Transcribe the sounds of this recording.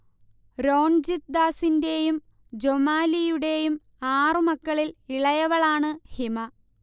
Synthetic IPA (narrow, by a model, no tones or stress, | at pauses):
ɾo̞ːɳd͡ʑit̪̚d̪aːsinde̞jum | d͡ʑomaːlijuɽe̞jum | aːrɨmɐkːɐɭiliɭɐjɐʋɐɭaːɳɨhimɐ